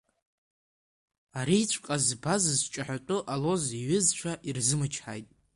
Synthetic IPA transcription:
aɾiːt͡ɕʷʰqʼazbazɨzt͡ʃʼaħʷatʼʊʔalo̞ziɥɪzt͡ʃʷʰaʔirzɨmɨt͡ʃʰħa̰jtʼ

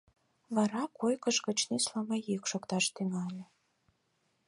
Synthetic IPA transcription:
βɑɾɑkojkəʃɣə̆t͡ɕnislɑmɑjikʃokt̪ɑʃt̪yŋɑlʲe

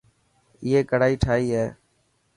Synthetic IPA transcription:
ɪːeːkəɽaːiːʈʰaːiːɦɛː

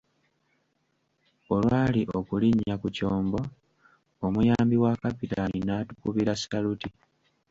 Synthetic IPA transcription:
o̞lwaːliʔo̞kuliɲːakuco̞ːmbo̞ | omujaːmbiwakapitaninaːtukuβiɾasi̥taluti

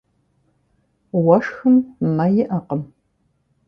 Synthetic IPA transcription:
wɐʂxɨmnɐjɪʔɐqəm

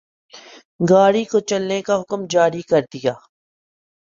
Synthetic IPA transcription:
ɡaːɽikot͡ʃɐlnekaɦʊkmd͡ʒaːɾikɐɾd̪ijaː

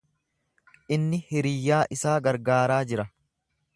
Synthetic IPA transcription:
ʔɪnːɪhɛɾɪjːaːʔɪsaːɡɐɾɡaːɾaːd͡ʒɪɾɐ

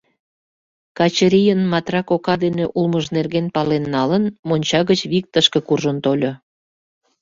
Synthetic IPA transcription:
kɑt͡ɕəɾʲijənmɑt̪rɑkokɑd̪eneʔulməʒnerɣenpɑlenːɑlənmonʲt͡ɕɑɣət͡ɕβik̚t̪əʃkĕkurʒənt̪olʲo

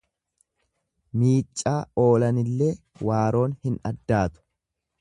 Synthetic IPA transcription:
miːt͡ʃʼːaːo̞ːlɐnɪlːeː | waːɾo̞ːnhɪnɐd̪ːaːt̪ʊ̥

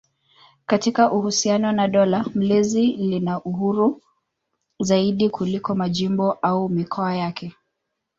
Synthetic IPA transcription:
katikaʔuhusianɔnaɗɔlam̩lɛzilinaʔuɦuɾu | zaiɗikʰulikɔmaʄimbɔʔaumikʰɔajakʰɛ

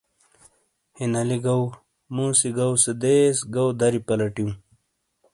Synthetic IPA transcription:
hinɐliɡɐw | mũːsiɡɐwsed̪eːsɡawd̪ɐɾipɐlɐʈiũ

